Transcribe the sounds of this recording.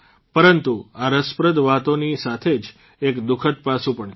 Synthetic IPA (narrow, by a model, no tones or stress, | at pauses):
pəɾənt̪uaɾəspɾəd̪ʋat̪onisat̪ʰed͡ʒ | ekd̪ukʰət̪̚pasũpəɳ